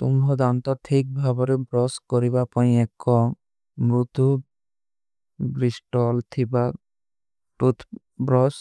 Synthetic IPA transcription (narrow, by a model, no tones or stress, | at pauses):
t̪umɾɔd̪ant̪ɔʈʰik̚bʱabɔɾebɾɔskɔɾibapaj̃ɛkːɔ | mɾut̪u | bɾisʈɔlt̪ʰiba | ʈut̪ʰ | bɾɔs